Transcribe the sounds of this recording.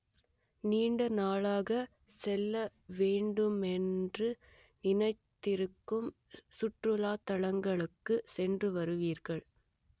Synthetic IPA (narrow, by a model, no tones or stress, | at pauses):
niːɳɖɐnaːɭaːɣɐ | sɛlːɐʋeːɳɖɯmɛndrɯ | nɪnɐɪt̪ːɪɾɯkːɯm | sʊʈrɯlaːt̪ɐɭɐŋɡɐɭɯkːɯsɛndrɯʋɐɾɯʋiːɾɣɐɭ